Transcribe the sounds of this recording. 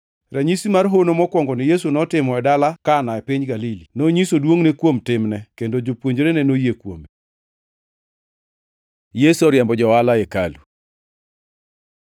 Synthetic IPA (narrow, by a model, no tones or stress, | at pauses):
raɲisimarɦonomɔkwɔŋɡɔnɪjesunɔtɪmɔɛdalakanaɛpɪɲɡalilinoɲisodwoŋnekwomtɪmnɛkendod͡ʒopwoɲd͡ʒoɾenɛnojekwo̰me | jesuɔɾjɛmbɔd͡ʒɔwalaeka̰lu